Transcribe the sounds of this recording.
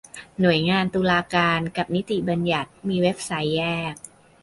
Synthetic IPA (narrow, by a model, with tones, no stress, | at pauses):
nu˨˩əjŋaː˧nt̪uː˧laː˧kaː˧nka˨˩p̚ni˦˥t̪i˨˩ba˧nja˨˩t̪̚miː˧we˦˥p̚sa˦˥jːɛː˥˩k̚